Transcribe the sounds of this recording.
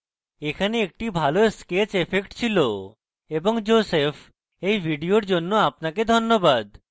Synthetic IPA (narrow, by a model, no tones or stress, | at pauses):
ekʰaneek̚ʈibʱaloesket͡ɕepʰekʈt͡ɕʰilo | eboŋd͡ʑosefʰ | ejbʱiɖioɾd͡ʑonːoapnaked̪ʱonːobad̪